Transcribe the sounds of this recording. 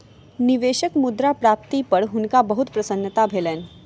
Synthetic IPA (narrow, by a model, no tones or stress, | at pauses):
niʋeːʃəkmud̪ɾapɾaːp̚t̪ipəɾɦʊnkabəɦut̪pɾɐsənːət̪abʱeːleːn